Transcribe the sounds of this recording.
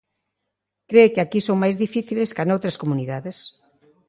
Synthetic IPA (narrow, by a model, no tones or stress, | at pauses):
kɾekɪakisoŋmajzðifiθileskanowt̪ɾɐskomuniðaðɪs